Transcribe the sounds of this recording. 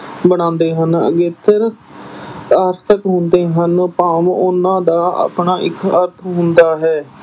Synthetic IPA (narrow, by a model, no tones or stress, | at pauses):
bəɽ̃ãːnd̪eːɦənə̰ɡeːt̪ʰːəɾ | aːɾt̪ʰəkɦʊnd̪eːɦənpaːmʊnãːd̪aːa̰ːpɳaːʔɪkəɾt̪ʰɦʊnd̪aːɦɛː